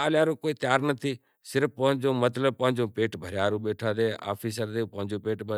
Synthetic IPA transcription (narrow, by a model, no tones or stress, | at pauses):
aːljaːɾõːkoːiːt̪jaːɾnət̪ʰiː | sɪɾəfpəɦɪ̃ɲd͡ʒõːmət̪ləb̚pə̃ɦɪ̃ɲd͡ʒõːpeːʈbʱəɾɪjaːɾũːɓeːʈʰaːd̪eːʔa̰ːpʰiːs̬əɾd̪eːpəɦɪ̃ɲd͡ʒõːpeːʈb